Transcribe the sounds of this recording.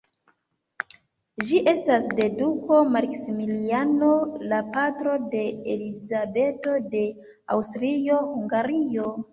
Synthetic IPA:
ʒiʔe̞stasde̞duko̞maɾksimiliano̞lapatɾo̞de̞elizabe̞to̞de̞ | a̰wstɾio̞huŋɡaɾio

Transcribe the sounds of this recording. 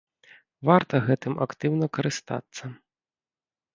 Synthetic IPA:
vart̪ɐɣɛt̪ɨmʔa̰kt̪ɨwnɐkɐɾɨst̪a̰t̪sːɐ

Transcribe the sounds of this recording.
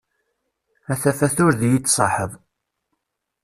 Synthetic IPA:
æθæfæθʊɾðjit͡sːsˤɑ̰ħəðˤ

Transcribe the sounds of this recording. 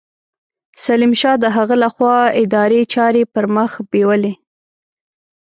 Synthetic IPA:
salimʃɑd̪əɦaɣəlaxwɑɪd̪ɑɾet͡ʃɑɾepəɾməxbewəle

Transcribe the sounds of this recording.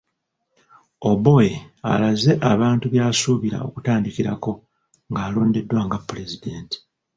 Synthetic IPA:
obo̞jea̰laze̞ʔaβaːntuβjaːsuːβiɾa̰o̞̰kutaːndikiɾako̞ | ŋɡaːlo̞ːnde̞dːwaːŋɡapːulezideːnti̥

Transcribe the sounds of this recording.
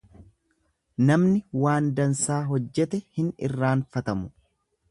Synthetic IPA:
nɐmnɪwaːnd̪ɐnsaːɦɔd͡ʒːɛt̪ɛhɪnɪ̰rːaːnfɐt̪ɐmʊ

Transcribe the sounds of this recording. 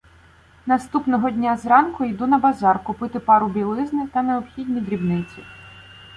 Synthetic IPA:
nɐst̪upnɔɦɔdʲnʲazɾɑnkʊjd̪unɐbɐzɑrkʊpɪt̪ɪpɑɾʊbʲilˠɪznɪt̪ɐneɔpxʲid̪ʲnʲid̪ɾʲibnɪt͡sʲi

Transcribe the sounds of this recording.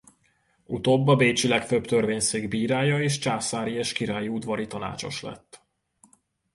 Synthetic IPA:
ut̪oːbːɒbeːt͡ʃilɛkføpt̪ørveːɲseːɡbiːɾaːjɒeːʃt͡ʃaːsaːɾieːʃkiɾaːjiud̪vɒɾit̪ɒna̰ːt͡ʃo̞̰ʃlɛ̰t̪ː

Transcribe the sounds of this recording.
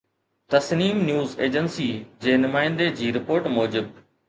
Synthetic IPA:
t̪ɐsniːmnjuːzeːd͡ʑənsid͡ʑeːnʊmaːɪ̃nd̪ed͡ʑiːɾɪpoːɾʈmoːd͡ʑɪb̚

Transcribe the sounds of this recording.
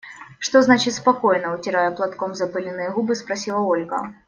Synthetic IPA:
ʂt̪oznat͡ɕɪt̪ʲspɐko̞jnəʊtʲɪɾajɛplˠɐt̪komzɐpɨlʲɪnːɨjəɣubɨspɾɐsʲilˠəolʲɡə̰

